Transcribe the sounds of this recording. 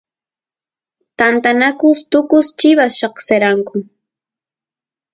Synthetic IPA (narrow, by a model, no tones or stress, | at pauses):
t̪ant̪anakʊst̪ʊkʊst͡ʃɪβasʃɑχseɾaŋkʊ